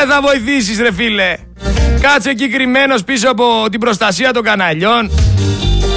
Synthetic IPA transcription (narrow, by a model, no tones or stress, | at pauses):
eθɐvo̞iθis̬isɾe̞file̞ | kɐt͡secikɾime̞no̞spisoɐpo̞t̪ibɾo̞st̪ɐsiɐt̪o̞ŋɡɐnɐʎo̞n